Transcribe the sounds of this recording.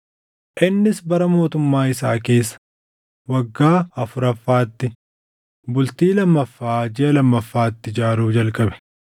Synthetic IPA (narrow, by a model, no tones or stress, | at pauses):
ʔɪnːɪsbɐɾɐmo̞ːt̪ʊmːaːɪsa̰ːke̞ːsːɐ̥ | wɐɡːaːɐfʊɾɐfːaːt̪ːɪ | bʊlt̪iːlɐmːɐfːaːd͡ʒɪʔɐlɐmːɐfːaːt̪ːɪd͡ʒaːɾuːd͡ʒɐlkʼɐbɛ̥